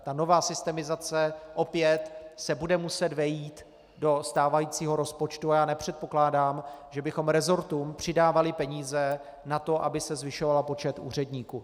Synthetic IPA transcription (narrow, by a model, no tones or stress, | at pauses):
t̪ano̞vaːsɪst̪ɛmɪzat͡sɛʔo̞pjɛt̪sɛbudɛmusɛd̪vɛjiːt̪ | do̞st̪aːvajiːt͡siːɦo̞ɾo̞spo̞t͡ʃt̪uajaːnɛpr̝̥ɛt̪̚po̞klaːdaːmʒɛbɪxo̞mɾɛzo̞ɾt̪uːmpr̝̥ɪdaːvalɪpɛɲiːzɛ | nat̪o̞ʔabɪsɛzvɪʃo̞valapo̞t͡ʃɛt̪ṵːr̝ɛdɲiːkuː